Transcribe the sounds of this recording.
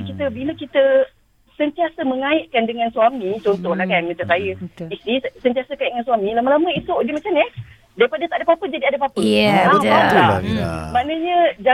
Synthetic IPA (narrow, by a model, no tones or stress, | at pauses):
kit̪əbiləkit̪ə | sənt̪iasəməŋaiʔkandəŋãnsuamĩt͡ʃɔnt̪ɔhlahkanmə̃ɲt͡ʃaŋsajəist̪isənt̪iasəkaiʔdəŋansuamĩlamalaməisuʔdəmat͡ʃamə | daipadat̪aʔadapapəd͡ʒadiadapapəaplamaʔnəɲə̃d͡ʒa